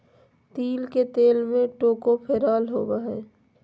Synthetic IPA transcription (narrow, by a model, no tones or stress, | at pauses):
t̪iːlket̪eːlmẽʈoːkopʰeːɾaːlɦoːbaɦɛː